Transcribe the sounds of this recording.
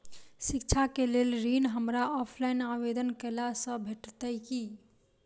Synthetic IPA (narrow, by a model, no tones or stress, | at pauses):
sikt͡ʃʰakelelɾinɦəmɾaɔpʰlaɪnaʋed̪ənkəlasə̃bʱeʈt̪əjki